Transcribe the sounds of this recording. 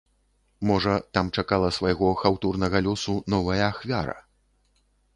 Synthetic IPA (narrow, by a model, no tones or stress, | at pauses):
mɔʐɐt̪amt͡ʂakalˠɐsvajɣɔxawt̪urnɐɣɐlʲɔsunɔvɐjɐːxvʲaɾɐ̰